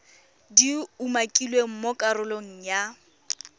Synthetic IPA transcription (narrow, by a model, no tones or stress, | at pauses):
diumakʼilweŋ̩mɔkʼarʊlɔŋ̩ja